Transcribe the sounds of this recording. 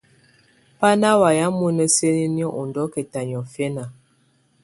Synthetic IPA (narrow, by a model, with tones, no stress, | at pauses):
pa˦na˦wa˨ja˨˦mə˦nə˦se˦ni˦ni˦ɔ˦ʔu˨ndɔ˨˦kɛ˨ta˨ɲ˨ɔ˨fjɛ˦na˨